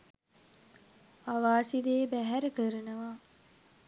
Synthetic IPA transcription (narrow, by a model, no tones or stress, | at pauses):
aʋaːsid̪eːbæɦæɾəkəɾənəʋa